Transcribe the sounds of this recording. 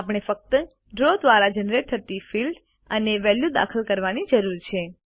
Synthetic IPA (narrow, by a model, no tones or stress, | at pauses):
ap̬əɳ̃efək̚t̪ə | ɖɾod̪ʋaɾad͡ʒənɾeʈ̚t̪ʰət̪ifilɖ | əneʋɛljud̪a̰kʰəlkəɾʋanid͡ʒəɾuɾt͡ʃʰe